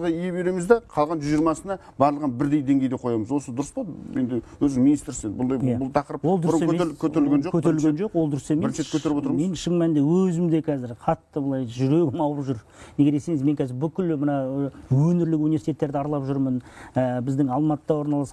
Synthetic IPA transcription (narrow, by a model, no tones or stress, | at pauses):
ʁəijebeɾe̞mɪzd̪eqʰɑlˠʁɑnʒʏziɾmɑsənɑ | bɑɾlˠəʁənbɪɾd̪e̞jd̪e̞ŋɡʲe̞jd̪eqʰo̞jɑməzwo̞səd̪ʊɾəsbɑe̞nd̪ɪwɵzd̪ɪŋminist̪ɾsenbʊlˠd̪ɑjjæbʊlˠt̪ʰɑqəɾəp̚wolˠd̪ʊɾɾsemekʰɵt̪eɾɪlɡenʒokʰɵt̪eɾɪlɡʲenʒo̞qwod̪ʊɾəsemeɾʃet̪kʲʰɵt̪eɾpwot̪ɾmme̞nʃəŋmænd̪ewɵzɪmd̪e̞kʲʰæzɪɾqʰɑt̪ːəbəlˠɑjʒʏɾe̞ɡʲɪmɑwəpʒʏɾ | ne̞ɡʲe̞d̪e̞se̞ŋɪzme̞ŋkʲʰæzɪɾbʏkʲɪlmənɑwɵnɪɾlɪkʲunivʲesit̪e̞t̪ːe̞ɾd̪ɪɑɾlˠɑpʒʏɾmənəbɪzd̪ɪŋɑlˠmɑt̪əd̪ɑwo̞ɾnɑlˠɑs